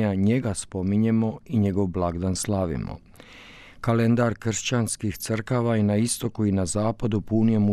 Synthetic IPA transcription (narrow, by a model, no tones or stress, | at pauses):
aɲe̞ɡaspo̞miɲemo̞iɲe̞ɡo̞ʋblˠaɡd̪anslˠaʋḭmo̰ | kale̞nd̪aɾkr̩ʃt͡ɕanskixt̪sr̩kaʋainaist̪o̞kuinazaːpad̪upunijemu